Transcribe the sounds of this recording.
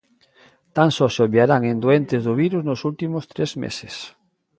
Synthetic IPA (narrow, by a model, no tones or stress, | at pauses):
t̪ansɔsoβjaɾaŋẽnd̪oent̪ezðʊβiɾuznosult̪imost̪ɾezmḛses